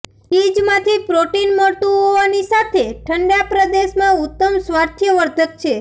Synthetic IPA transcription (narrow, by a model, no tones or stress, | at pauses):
id͡ʒmãt̪ʰipɾoʈinmət̪ũɦoʋanisat̪ʰeʈʰəɳɖjapɾəd̪eʃmãut̪ːəmsʋaɾt̪ʰjəʋəɾd̪ʱək̪̚t͡ʃʰe